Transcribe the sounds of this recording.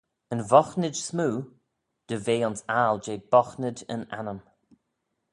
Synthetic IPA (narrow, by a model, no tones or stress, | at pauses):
ənvɔxnɪdsmuː | d̪̥əveːɔnsaːld͡ʒeːb̥ɔxnədə̰na̰nəm